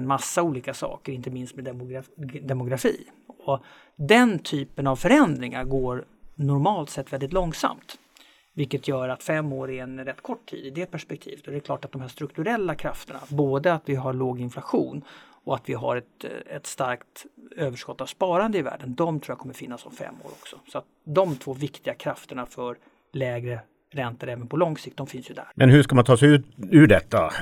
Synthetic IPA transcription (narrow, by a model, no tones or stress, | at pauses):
nmasːauːliːkasɑ̰ːkəɾɪnt̪əmɪnst̪mɛd̪ | d̪ɛmʊɡɾafiː | ɔ | d̪ɛnt̪ʰyːpənavfœɾɛnd̪ɾɪŋaɾɡoːɾ | nɔɾmɑːlt̪sɛt̪ːvɛld̪ɪt̪lɔŋsa̰mt̪ | vɪlkːət̪ʰjœːɾat̪fɛmːoːɾɛɛnɾɛt̪ːkʰɔʈːʰḭːd̪ɪd̪ɛːpʰæʂpɛkt̪ʰḭːvət̪ɔd̪ɛkʰlɑːʈat̪̚d̪ɔmɦæʂt̪ɾɵkt̪ɵɾɛlːakʰɾaft̪əɳa̰boːd̪əat̪vɪɦaɾɭoːɡɪnflaɧuːn | ɔat̪vɪɦa̰ɾɛt̪ɛt̪st̪aɾkt̪øːvəʂkɔt̪ːavspɑːɾand̪əɪvæ̰ːɖənd̪ɔmt̪ʰɾuːjakʰɔmːəɾfɪnːasɔmfɛ̰mːo̰ːɾɔ̰ksɔsɔat̪̚d̪ɔmt̪ʰvoːvɪkt̪ɪɡakʰɾaft̪əɳafœɾ | lɛːɡɾə | ɾɛnt̪əɾɛːvənpʰɔlɔŋsɪk̚t̪̚d̪ɔmfɪnsjɵd̪æ̰ɾmʔɛnhɵʂkamant̪ʰɑːsɛjʉ̟ːt̪ʉɖɛt̪ːa